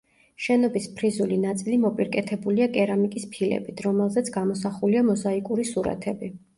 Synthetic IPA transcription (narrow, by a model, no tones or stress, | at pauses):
ʃɛnɔbispʰɾizulinat̪sʼilimɔpʼiɾkʼɛt̪ʰɛbuliakʼɛɾamikʼispʰilɛ̰bit̪ʰɾɔmɛlˠzɛt̪sʰɡamɔsaχuliamɔzaikʼuɾisuɾa̰t̪ʰɛbi